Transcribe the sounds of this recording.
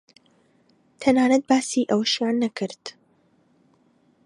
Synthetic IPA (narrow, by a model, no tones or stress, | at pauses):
t̪ʰɐnaːnɐt̪̚baːsiːʔɐwɐʃjaːnːɐkʰɨɾd̪̥